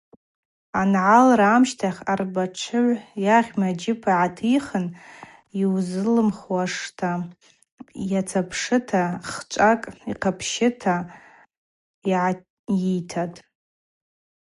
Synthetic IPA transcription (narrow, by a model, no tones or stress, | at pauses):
anʕalraːmʃtʰaχʲarbaʈ͡ʂʷʰɨʕʷjaʁʲmad͡ʒɪpʰaʕatʰijχən | iwzɨlɨmχwaʂtʰa | jat͡sʰapʰʂɨtʰaχt͡ʃʷʼakʼiqʰapʰʃɪtʰa | iʕ | itʰatʼ